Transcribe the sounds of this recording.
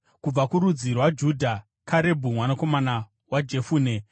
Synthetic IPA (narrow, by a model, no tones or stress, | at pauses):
kub͡vakuɾud͡zirwad͡ʒudʱa | kʰaɾe̞bʱumwanako̞mana | wad͡ʒe̞fuːne